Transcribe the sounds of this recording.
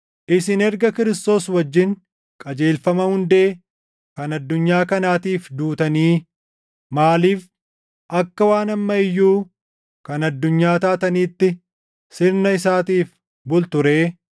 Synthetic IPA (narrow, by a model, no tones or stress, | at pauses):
ʔɪsɪnɛɾɡɐkɪɾɪst̪o̞ːswɐd͡ʒːɪŋ | kʼɐd͡ʒe̞ːlfɐmɐhʊnd̪e̞ː | kɐnɐd̪ːʊɲːaːkɐnaːt̪iːfd̪uːt̪ɐniː | maːliːf | ʔɐkːɐwaːnɐmːɐɪjːuː | kɐnɐd̪ːʊɲːaːt̪aːt̪ɐniːt̪ːɪ | sɪɾnɐɪsaːt̪iːf | bʊlt̪ʊɾe̞ː